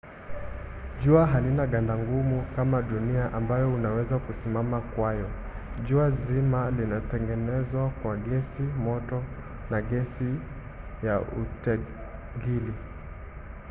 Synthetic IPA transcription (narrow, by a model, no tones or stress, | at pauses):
ʄuaɦalinaɠandaŋɡumukamaɗuniaʔambajɔunawɛzakusimamakwajɔ | ʄuazimalinatɛŋɡɛnɛzwakwaɡɛsimɔtɔ | naɡɛsi | jaṵtɛ | ɡili